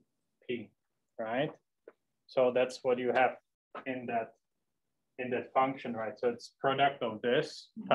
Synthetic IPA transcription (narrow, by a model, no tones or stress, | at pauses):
pʰi | ɹaɪt̚ | soʊðætswʌt͡ʃɨæv̥ | ɪ̃nðɨt̚ | ɨ̃nðɨtfʌ̃ŋkʃɨ̃nɹaɪtsoʊɨtspʰɹ̥ɔɾɛk̚tʌvðɪsʰ